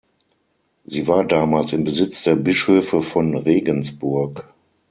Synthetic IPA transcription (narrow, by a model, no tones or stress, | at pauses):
ziːvaːɐdaːmaːlsɪmbəzɪt͡sd̥eːɐbɪʃhøːfəfɔnʁeːɡənsb̥ʊɐk